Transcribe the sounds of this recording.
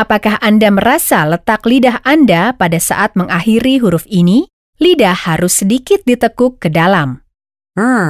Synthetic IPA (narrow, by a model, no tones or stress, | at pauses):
ʔapakaɦʔandaməɾasalət̪aklidaɦʔandapadasa̰ʔat̪̚məŋahiɾiɦuɾʊfini | lidahhaɾʊsːədikɪt̪̚dit̪əkʊkːədalam | a